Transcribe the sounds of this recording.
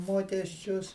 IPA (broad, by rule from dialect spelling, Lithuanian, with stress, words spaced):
ˈmoːkʲɛsʲt͡ʃʲʊs